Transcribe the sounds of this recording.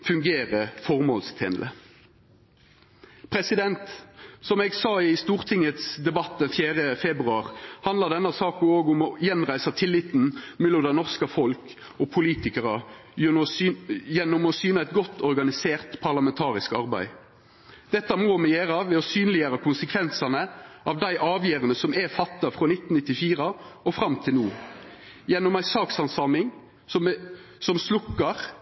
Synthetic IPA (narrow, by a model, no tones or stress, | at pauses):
fʉŋɡeːɾəfɔʁmoːlst̪ʰḛnlə̰ | pʰɾɛsɪd̪ɛnt̪sɔmɛːɡsɑːɪst̪uːʁt̪ʰɪŋːət̪sd̪ɛbɑt̪̚ːd̪ɛnfjæːɾəfɛbʁʉɑːʁhɑnd̪ɑd̪ɛnːəsɑːkoːɡʊmɔjɛnʁæɪsɑt̪ʰɪlːɪt̪n̩mɛlːɔmd̪æɪnɔʁskəfɔlk | ɔpʰʊliːt̪ɪkəʁɑ | jɛnːʊmɔsyːnəɛt̪ɡɔt̪ːɔɾɡɑnɪseːʁt̪pʰɑʁlɑmɛnt̪ʰɑːʁɪskɑɾbæ̰ɪ | d̪̥ɛt̪ːɑmoːmɛjeːɾɑʋɛɔsyːnlɪjøːɾəkʰʊnsəkʰʋɛnsɑnəʔɑʋd̪æɪʔɑːʋjeːɾənəsɔmɛfɑt̪ːɑfɾɔnɪt̪ːnnɪt̪ːɪfiːʁəɔfʁɑmt̪ʰɪlnuː | jɛnːɔmæɪsɑːksɑnsɑːmɪŋ | ɔ | sɔmslʊkːɑʁ